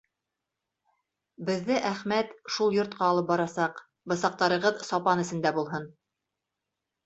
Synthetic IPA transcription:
bɘ̆ðːɘʔæχmæt̪ʃulˠjŏɾt̪̚qɑːlˠɤp̚bɒɾɑsɑq | bɤ̆sɑq̚t̪ɑɾɤ̆ʁɤðsɒpɑnɘ̆sɘ̆nd̪æbulˠɦɤn

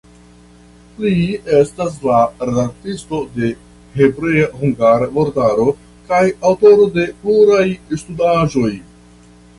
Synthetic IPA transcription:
lie̞stas̬laɾedaɾ̚tisto̞de̞ | he̞bɾejahuŋɡaɾaboɾtaɾo̞ | kajawto̞ɾo̞de̞pluɾajstudaʒo̞j

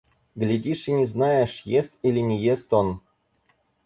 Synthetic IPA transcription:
ɡlʲɪdʲiʂɨnʲɪznajɪʂjest̪ilʲɪnʲɪjest̪on

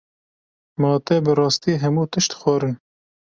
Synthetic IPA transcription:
mɑːt̪ɛbɨrɑːst̪iːɦɛmuːt̪ɨʃt̪xʷɑɾɨn

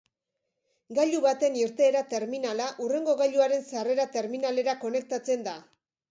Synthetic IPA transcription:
ɡaʎuβat̪e̞niɾt̪e̞ːɾat̪e̞ɾminalaʔure̞ŋɡo̞ɣaʎuaɾe̞nsare̞ɾat̪e̞ɾminale̞ɾako̞ne̞k̚t̪at͡se̞nd̪a

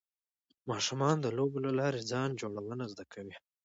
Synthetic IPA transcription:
mɑʃumɑnd̪əlobolalɑɾed͡zɑnd͡ʒoɽawənazd̪akʰawi

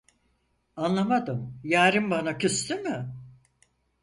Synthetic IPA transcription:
anlˠamad̪ɯmjaːɾɯmbanacʰyst̪ymɯ

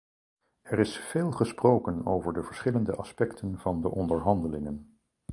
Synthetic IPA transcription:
ɛɾɪsfeːlˠχəsprowkənowvəɹdəvəɹsχɪləndə̰ʔɑspɛktʰənv̥ɑndəʔɔndəɹɦɑndəlɪŋən

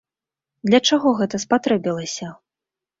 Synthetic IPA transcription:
d̪lʲɐt͡ʂaɣɔɣɛt̪ɐspat̪ɾɛbʲilˠɐsʲɐ

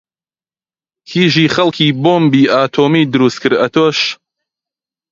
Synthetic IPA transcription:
hʰiːʒiːχɐlkʰiːboːmbiːʔaːt̪ʰoːmiːd̪ɨɾuːst̪̚kʰɨɾɐt̪ʰoʃ

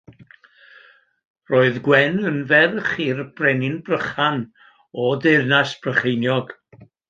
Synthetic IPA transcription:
roːɨðɡwɛnənvɛrəχiːrb̥rɛnɪnbrəχan | ɔdɪrnasb̥rəχejnjɔɡ̥

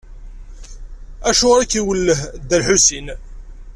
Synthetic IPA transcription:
æʃʊʁɾækːiwəlːəɦd̪ːælħusin

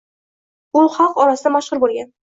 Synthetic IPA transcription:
ʊχɑqɒɾasɪd̪amaʃʁʊɾbolˠɡʲan

